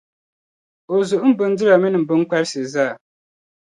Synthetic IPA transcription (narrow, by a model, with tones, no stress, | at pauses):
o˨zʊ˨ʔʊ˦m̩˦bɨ˦n˦dɨ˦la˨mi˦nɨ˨m̩˨bɨ˦ŋ˦ka˦ɾsɨ˨zaː˦˨